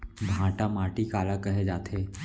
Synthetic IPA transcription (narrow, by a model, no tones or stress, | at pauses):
bʱãːʈamaːʈikaːlakɐɦed͡ʒaːt̪ʰeː